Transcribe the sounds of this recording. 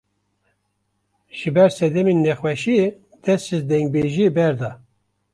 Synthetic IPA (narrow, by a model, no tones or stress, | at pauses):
ʒ̥ɨbɛɾsɛd̪ɛminːɛxwɛʃije | d̪̥ɛsizd̪ɛŋɡ̚beʒiebɛɾd̪ɑ